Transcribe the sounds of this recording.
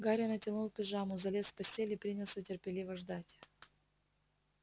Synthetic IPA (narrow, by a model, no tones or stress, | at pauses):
ɡaɾʲənətʲɪnulˠpʲɪʐamʊzɐlʲesfpɐsʲtʲelʲɪipɾʲinʲɪlˠsʲətʲɪrpʲɪlʲivəʐd̪atʲ